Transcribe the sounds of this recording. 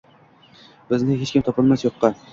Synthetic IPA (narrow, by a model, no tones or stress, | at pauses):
bɪznɪɦet͡ʃkʲɪmt̪ʰɒpɑlˠmasjoqːɑ